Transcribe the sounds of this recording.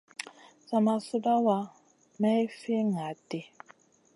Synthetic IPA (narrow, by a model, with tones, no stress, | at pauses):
sa˨ma˨su˦da˦wa˨ | ma˦i˦fi˦ŋa˨tʼi˨